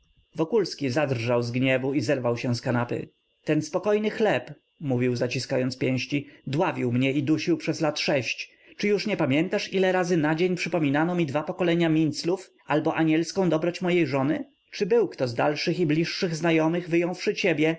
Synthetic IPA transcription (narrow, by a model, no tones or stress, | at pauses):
vɔkulskʲizad̪rʐawzɡɲɛvuizɛɾvawɕɛ̃skanapɘ̰ | t̪ɛnspɔkɔjnɘxlɛp | muvʲiwzat͡ɕiskajɔnt̪spʲjɛ̃w̃ɕt͡ɕid̪wavʲiwmɲɛid̪uɕiwpʂɛzlat̪ʂɛɕt͡ɕ | t͡ʂɘjuʂɲɛpamʲjɛnt̪aʂilɛɾazɘnad͡ʑeɲpʂɘpɔmʲinanɔmʲid̪vapɔkɔlɛɲamʲint̪sluf | albɔʔaɲɛlskɔ̃w̃d̪ɔbɾɔt͡ɕmɔjejʐɔnɘ | t͡ʂɘbɘwkt̪ɔzd̪alʂɘxiblʲiʂːɘɣznajɔmɘɣvɘjɔ̃w̃fʂɘt͡ɕebʲjɛ